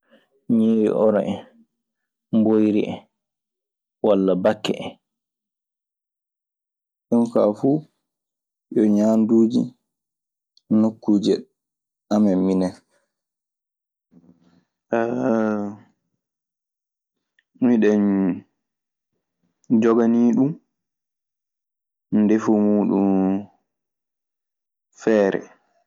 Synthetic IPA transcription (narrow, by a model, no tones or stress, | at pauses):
ɲiːɾḭʔɔɾaʔɛ | mbojɾḭʔɛ̰ | walːabakːɛ̰ʔɛ | ɗunka̰fuː | ɗɔɲanduːd͡ʒḭ | nokːuːd͡ʒɛ | ʔamɛmminɛ | miɗɛn | d͡ʒɔɡaniːɗum | defumuːɗum | fɛːɾɛ̰